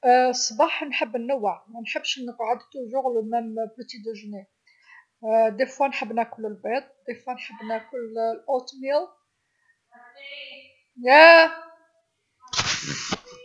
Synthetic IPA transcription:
sˤːbɑħnħəbːnːəwːəʕmænħəbːʃnəqʕəd̪t̪uʒʊɣlmæmbət̪id̪əʒni | d̪ifwænħəbːnækʊləlbed̪̚ˤd̪ifwænħəbːnækʊllʔot̪mjəl | jæ

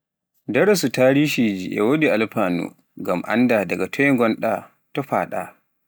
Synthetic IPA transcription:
daɾɛsutaːɾiːʃid͡ʒiʔɛ̰wodialpaːnṵ | ŋɡamʔa̰ndadaɡatʰɔjŋɡɔnɗa | tɔɸa̰ːɗa̰

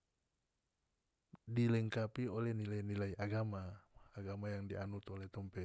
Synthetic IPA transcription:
dilɛŋkapiolɛnilenilaiʔaɡamaːɡamajaŋdianut̪olɛt̪ɔmpɛ

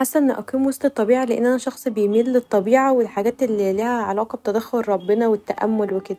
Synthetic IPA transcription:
ħasːæʔnːʔæ̰qiːmwosˤt̪et̪ˤːɑbiːʕaleʔenːʔænæʃɑxsˤbejmiːlːet̪ˤːɑbiːʕawelħaɡæːt̪ʔelːilæːhæʕalɑːqɑbet̪æd̪æxːoɾɾˤɑbːenɑwet̪ːæʔæ̰mːolweked̪æ

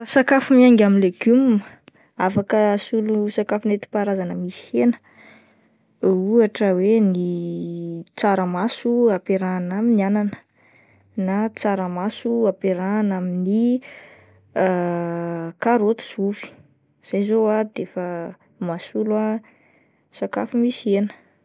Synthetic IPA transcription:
asakafumiaŋɡaminleɡumm | afakəsulusakafunet̪i̥paɾazanəmisi̥henə̥ | uaʈ͡ʂəweni | t͡saɾəmasuapeɾanaminiananə̥ | nat͡saɾəmasuapeɾanamini | kaɾot̪u̥z̥ufi̥ | z̥ajzoad̪efə | masulwa | saka̰fumisienə̥

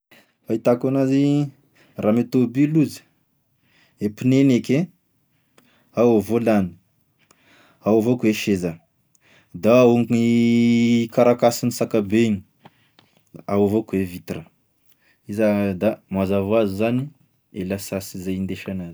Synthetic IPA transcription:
fait̪akanazi | ramet̪obiluzi̥ | epineneke | awavolani̥ | awavokuweʃeza | d̪aauŋki | kaɾakasinisakabeɲi | awavokuwevit̪rə | izad̪amazavoazuzani | elasasizajind̪eʃanazi̥

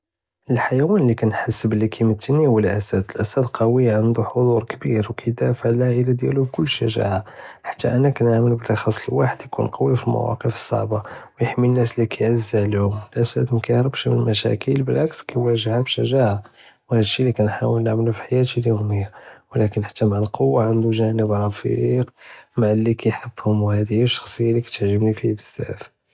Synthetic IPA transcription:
ʔəlħajæwænlːikænħasːəbəlːikʰæjmət̪ʰːənihwəlʔæsæd̪əlʔæsæd̪qʰɑwiʕənd̪uħod̪ˤuɾkbiɾwkæjd̪æfəʕlæhʔəlæd̪jæ̰lubkʊlːʃæʒa̰ʕaħḁt̪ːæʔænækænəʕməlbəlɑxɑsˤːlwaħəd̪jkṵnqʰɑwifilmæ̰wɑ̰qəfə̥sˤːɑ̰ʕbɑwjəħminːæslikæjʕəzːælhʊməlʔæsæt̪mkæhɾbʃmənmæʃæ̰kəlbəlʕakskæjwæʒəhabʃæʒaʕa | whæd̪ʃːilːikænħawəlnaʕməlufi̥ħajæt̪ʃiljuʊməjːawlækənħḁt̪ːæmaʕəlqowːaʕənd̪uʒænəbɾˤɑfiɾqmaʕlːikæjħəbːhʊmwhæd̪əjːæʃːɑ̥xsˤəjːalːikæ̥t̪əʕʒəbnifihbəsːæ̰f

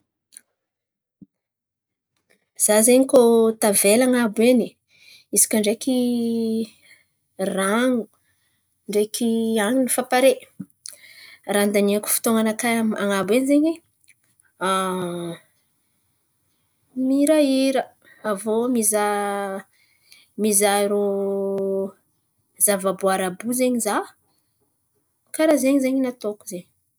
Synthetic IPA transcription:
z̥azeɲikot̪avelaŋabeni | isi̥kʲaɳɖ͡ʐeki | raŋu̥ | ɳɖ͡ʐekʲʰiaŋinifapaɾe | rand̪anieaku̥fi̥t̪oŋanakama̰ŋabwenizeɲi | a | miɾaiɾə | avomiza | mizaiɾo | zavabuaɾabuzeɲiza | kaɾazeɲizeɲinat̪oku̥zeɲ

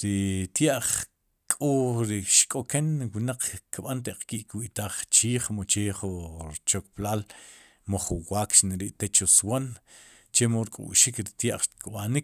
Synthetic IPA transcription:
ɾit̪jaʔχ | kʼoɾiʃkʼokenwinaq͡χkiɓant̪eʔq͡χkiʔkwiʔt̪aːχt͡ʃiːχmot͡ʃeχuɾt͡ʃokplaːl | moχuwaːkʃneɾiʔt̪et͡ʃoswan | t͡ʃemoɾkʼṵʔʃikɾit̪jaʔχkɓanik̚

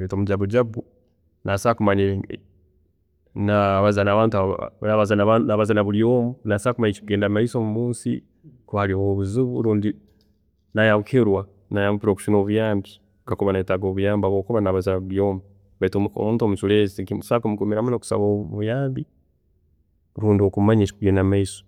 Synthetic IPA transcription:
etomuɟaβud͡ʒabu | nasakumaɲi | naβazanaβaːntua̰naβazananaβazanaβuljoːmunasakumaɲikiɡeːndamaisomumuːnsḭ | kuhaliwoβuzuβuluːndi | najaβukʰiɾwa | najaβupiɾoku̥ʃinoβujaːmbi | ɡakuβanaitaɡoβujaːmbaβokuβanaβazanaβuljoːmu | βatoo̰muːntuomusulezisakumukumiɾamunoku̥sa̰βoβujaːmbi | ɾuːndiokumaɲit͡ʃikuɡeːndamaiso̥

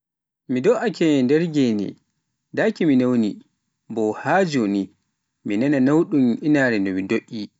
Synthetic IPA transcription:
midɔʔakɛndɛɾɡɛnɛ̰ | dakiminawni | bɔhaːd͡ʒoni | minananawɗumʔinaːɾɛndɔmidoʔːi

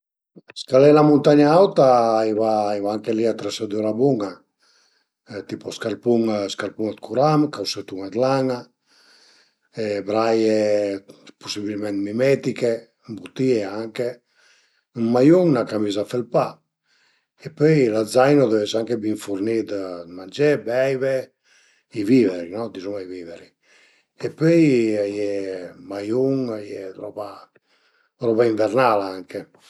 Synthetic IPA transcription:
skalɛlamunt̪aɲaawt̪aivaivaaŋkeliat̪ɾɛsad̪uɾabuŋa | t̪ipɔskaɾpuŋskaɾpuŋat̪kuɾamkawset̪uŋad̪laŋa | ebɾaje | pusibilmɛnt̪mimɛt̪ike | mbut̪ieaŋke | majuŋnakamiːzafelpa | epøjlazajnod̪ɛvɛsaŋkebiɱfuɾnid̪mand͡ʒɛbɛjve | iviveɾinɔd̪izumaiviːveɾi | epøjajɛmajuŋajɛɾɔpa | ɾɔbaiɱvɛɾnalaaŋke

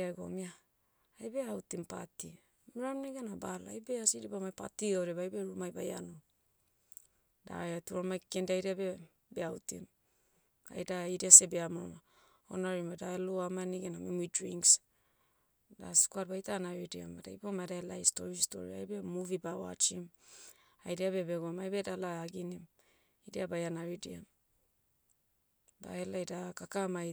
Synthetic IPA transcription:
aɡo̰miaː | jbeawtimpati | miɾamneɡenabalaajbeasidibamajpatiaɾebajbeɾumajbaja̰no | da̰atuɾamajkendajɾiabe | beawtḭm | a̰jdaidiasebeamoma | o̰naɾimadaeloamaniɡenamimuidɾiŋs | da̰si̥kuat̚bajtanaɾidia̰madajpomajdaelajsto̰ɾisto̞̰ɾḭa̰jbemuvibawa̰t͡ʃim | ajdiaβe̞be̞ɡomajbedalaaɡinim | idiabajanaɾidiam | ba̰elajdakakamaj

